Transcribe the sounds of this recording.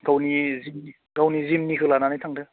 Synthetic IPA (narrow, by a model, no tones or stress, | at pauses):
ɡawnizimi | ɡawnizimniɦɯlananajtʰaŋdɯ